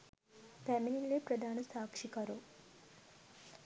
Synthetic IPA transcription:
pæmininleprəd̪ʱaːnəsaːkʂikɐɾu

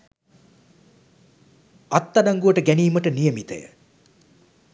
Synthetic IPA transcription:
at̪ːadaŋɡuʋəʈəɡæniːməʈənijəmit̪ə̰jə̰

